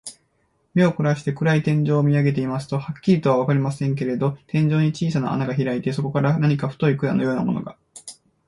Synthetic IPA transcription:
me̞o̞ko̟ɾaɕi̥t̪e̞kɯ̟ɾait̪ẽ̞ɲ̟d͡ʑo̞ːmʲiaɡe̞t̪e̞imasɨ̥t̪o̞hakʲːiɾʲit̪o̞β̞aβakaɾʲimasẽ̞ŋk̬e̞ɾe̞d̪o̞t̪ẽ̞ɲ̟d͡ʑo̞ːɲ̟it͡ɕiːs̬ana̰a̰naɡaçiɾait̪e̞so̞ko̞kaɾanaɲ̟ikaɸɯ̟̥t̪o̞ikɯɾanojo̞ːnamo̞noɡa

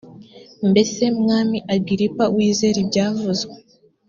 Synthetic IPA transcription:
mbe̞se̞mŋaːmiʔaɡiɾipawiːze̞ɾibɟaːvuzɡe

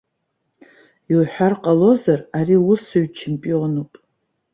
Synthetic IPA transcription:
jwħʷᶣarqʼalo̞zarariʊsuɥt͡ʃʰempʼionopʼ

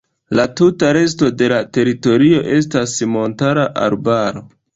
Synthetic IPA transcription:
latutaɾe̞s̬to̞de̞late̞ɾito̞ɾio̞ʔe̞s̬tasmo̞ntaɾaʔa̰ɾbaɾo̞

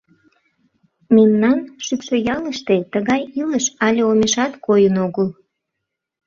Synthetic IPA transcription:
memnɑnʃypʃojɑləʃt̪et̪əɣɑjiləʃɑlʲeomeʃɑt̪kojənoɣəl

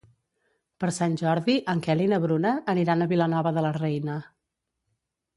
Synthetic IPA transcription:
pəɾsanʲʒɔɾðiʔəŋkɛlinəβɾunəːniɾanəβilənɔβəðələrɛjnə

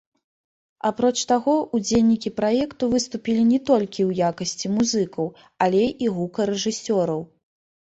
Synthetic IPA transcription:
apɾɔt͡ʂt̪aɣɔʔud͡zʲelʲnʲikʲipɾajɛkt̪uvɨst̪upʲilʲinʲɛt̪ɔlʲkʲiwjakɐsʲt͡sʲimuzɨkɐw | alʲejʔiɣukɐɾɛʐɨsʲɔɾɐw

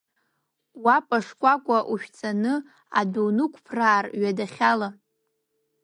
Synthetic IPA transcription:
wapʼaʂkʷʼakʷʼaʔuʃᶣt͡sʰanɨ | a̰donɨkʷʰʼpʰraːrɥadaχʲala

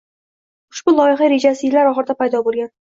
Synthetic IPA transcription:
ʊʃb̥ʊlˠɒjɪχaɾe̞d͡ʒasɪjɪlːaɾɒχɨɾɪd̪apajd̪ɒbolˠɡʲan

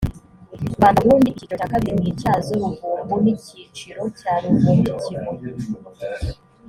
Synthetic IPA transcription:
βaːnuβuːndiʔcitoakaβiɾimɲiːcaːzoβuvuːmbuniciːt͡ʃiɾo̞caːɾuvumicimo

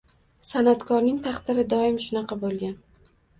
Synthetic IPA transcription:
sanat̪kʰɒɾnɪŋt̪ʰɑχt̪ɪɾɪd̪ɒɪmʃʊnɑqɑbolˠɡʲan

